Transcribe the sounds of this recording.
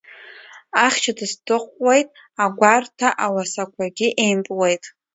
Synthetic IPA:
aχʲt͡ʃʰadɨstʰɨχʷwejtʼ | aɡʷartʰaʔawasakʷʰaɡʲiʔejmpʼwejtʼ

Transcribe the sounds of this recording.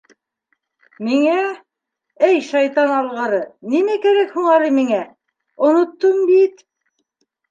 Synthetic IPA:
miŋæ | æjʃɑjt̪ɑnɑlˠʁɤɾɤnimækæɾækhuɴɑɾɤmiŋæ | ŏnŏt̪ːombit̪

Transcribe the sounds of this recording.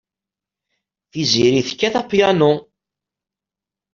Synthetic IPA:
θiziɾiθə̥kːæθapːjano

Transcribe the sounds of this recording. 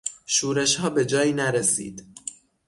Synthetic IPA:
ʃuːɾe̞ʃhɒːbe̞d͡ʒɒːjiːnæɾesḭːd̪̥

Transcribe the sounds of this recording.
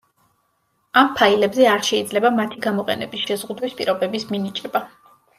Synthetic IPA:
ampʰailɛbzɛaɾʃɛid̪zlɛbamat̪ʰiɡamɔqʼɛ̰nɛ̰bisʃɛzʁud̪wispʼḭɾɔbɛbisminit͡ʃʼɛba

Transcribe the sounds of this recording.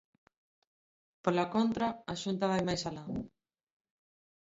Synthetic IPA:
polakont̪ɾaaʃunt̪aβajmajsala

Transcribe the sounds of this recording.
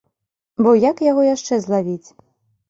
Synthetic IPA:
bɔjakjaɣɔjaʂt͡ʂɛzlˠavʲit͡sʲ

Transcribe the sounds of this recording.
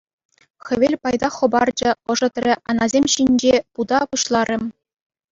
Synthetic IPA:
xʲɘ̆ʋʲelʲpɑjd̪ɑχɤ̆bɑrd͡ʑɘ̆ɤ̆ʐɤ̆t̪rʲɘ̆ʔɑnɑzʲemʲɕinʲd͡ʑepud̪ɑpuɕlˠɑrʲɘ̆m

